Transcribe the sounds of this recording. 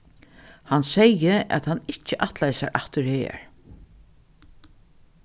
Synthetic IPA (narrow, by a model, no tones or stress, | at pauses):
hansɛjəɛ̰t̪hanɪht͡ʃːəʔaht̪lajsa̰ɾʔaht̪ʏɾhḛːɹ